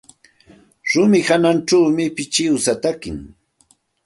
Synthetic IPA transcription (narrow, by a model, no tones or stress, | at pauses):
ɾʊmɪhananʈ͡ʂawmɪpɪt͡ʃɪwsat̪akɪ̰ŋ